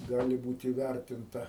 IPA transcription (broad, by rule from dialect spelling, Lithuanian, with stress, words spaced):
ˈɡɑːlʲɪ ˈbuːt iːˈʋʲærʲtʲɪntɐ